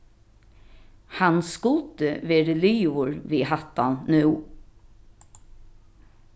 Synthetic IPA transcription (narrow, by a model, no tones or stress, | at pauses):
hɑnskʊlt̪əʋeːɾəlyːʊɹʋiːhɑt̪ɑnnʉː